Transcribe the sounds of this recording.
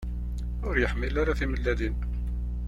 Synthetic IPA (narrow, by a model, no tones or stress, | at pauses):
ʊɾjəħmilaɾaθiməlːæd̪in